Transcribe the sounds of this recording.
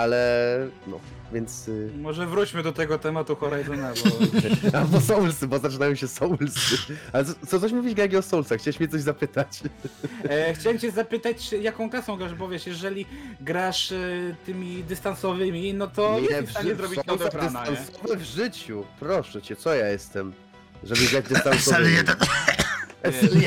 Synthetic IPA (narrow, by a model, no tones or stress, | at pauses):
alɛnɔ̰ | vʲjɛnt̪smɔʐɛvɾut͡ɕmɘd̪ɔt̪ɛɡɔt̪ɛmat̪uxɔɾajzɔnabɔabɔsɔwlsɨbɔzat͡ʂɨnajɔ̃ɕɛsɔwlsɘalɛt̪ɔt̪sɔt̪ɔɕ̬muvʲid͡ʑɡaɡʲiɔsɔwlsaxt͡ɕɛwɛɕmʲɛt̪sɔʑzapɘt̪at͡ɕ | xt͡ɕawɛmt͡ɕɛzapɘt̪at͡ɕjakɔ̃w̃klasɔ̃w̃ɡɾaʐbɔvʲɛʂjɛʐɛlʲiɡɾaʂt̪ɘmʲid̪ɨst̪ansɔvɘmʲinɔt̪ɔɛɛʐaɲɛzɾɔbʲind̪aɾd̪ɛst̪ansɔvɛvʐɘt͡ɕupɾɔʂɛt͡ɕɛt̪sɔjajɛst̪ɛm | ʐɛbɘɡɾad͡ʑd̪ɨst̪ansɔvɛt̪ɛt̪